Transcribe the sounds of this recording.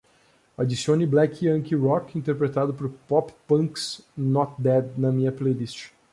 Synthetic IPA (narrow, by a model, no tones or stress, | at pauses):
ad͡ʒisiõniblɛkiɐ̃ŋkiɾɔkĩnt̪eɾpɾet̪ad̪ʊpoɾpɔppɐ̃ksnɔt̪̚d̪ɛd̪nɐmĩɲɐplejlist͡ʃɪ̥